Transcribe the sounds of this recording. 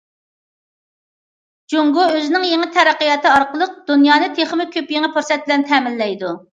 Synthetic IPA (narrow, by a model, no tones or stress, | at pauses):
d͡ʒuŋɡuøzɪnɪŋjeŋɪt̪ʰɛɾæqːijɑt̪ʰɨɑɾqəlˠəq̚d̪unjɑːnɨt̪ʰeχmɪkʲʰøpjeŋɪpuɾsɛt̪̚bɪlɛnt̪ʰɛːmɪlːɛjd̪u